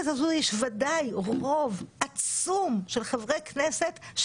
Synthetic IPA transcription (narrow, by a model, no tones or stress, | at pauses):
zazujɛʃvadajʁo̞vʔat͡sumʃelχevʁejknesetʃ